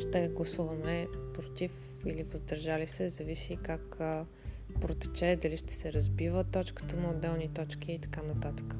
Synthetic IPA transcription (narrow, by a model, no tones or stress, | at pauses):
ʃt̪ɛɡlˠɐsuvəmɛpɾot̪if | ilivəzd̪ɐɾʒalisɛzɐvisikak | pɾot̪ɛ̥t͡ʃɛd̪ɐliʃt̪ɛ̥sɛɾɐzbivət̪ɔt͡ʃkə̥t̪ənɐʊd̪ːɛlˠnit̪ɔt͡ʃk̟iːt̪ɐ̥kanət̪at̪ə̥kə̥